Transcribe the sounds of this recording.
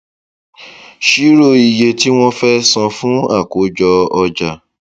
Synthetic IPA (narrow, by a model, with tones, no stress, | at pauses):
ʃi˨˦ɾo˦˨i˨je˧ti˦w̃ɔ̃˦fɛ˦sã˧fũ˦a̰˦˨ko˨˦d͡ʒɔ˧ɔ˧d͡ʒa˨